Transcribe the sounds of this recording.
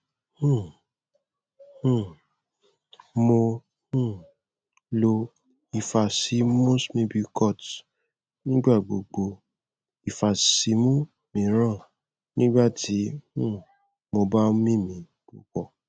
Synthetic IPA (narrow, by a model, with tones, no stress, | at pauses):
hũ˦˨ | hũ˦˨ | mo˧ | hũ˦˨ | lo˧ | i˨fa˨si˨˦mũ˦smĩ˧˦bi˧kɔ˦˨t | nĩ˦ɡ͡ba˦˨ɡ͡bo̰˨ɡ͡bo˧ | i˨fa˨si˨˦mũ˦ | mĩ˨˦ɾ̃ã˦˨ | nĩ˦ɡ͡ba˦˨ti˨˦hũ˦˨ | mo˧ba˦mĩ˦mĩ˨˦ | ku˨kɔ˨